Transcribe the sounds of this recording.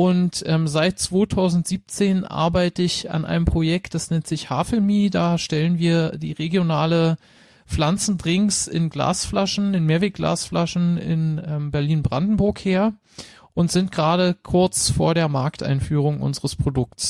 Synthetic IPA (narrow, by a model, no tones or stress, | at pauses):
ʔʊntʔɛːmzaɪt̚t͡sv̥oːtʰaʊzn̩tz̥iːp̚t͡seːnʔa̰ɐbaɪtəɪça̰nʔa̰ɪnəmpʁ̥ojɛk̚t̚d̥asnɛntz̥ɪçhaːfɛmiːdaːʃtɛlənviːɐdḭːʁeɡjonaːlə | flant͡sn̩dʁɪŋsɪ̰nɡla̰ːsflaʃn̩ɪnmeːɐveːk̚ɡ̥la̰ːsflaʃn̩ɪ̰nɛmbɛɐliːnbʁandn̩bʊɐkheːɐ | ʔʊntz̥ɪnt̚ɡ̥ʁaːɾəkʰʊɐt͡sfoːɐɾeːɐmaɐktʔa̰ɪnfyːʁ̞ʊŋʔʊ̰nzəʁəspʁ̥odʊk̚ts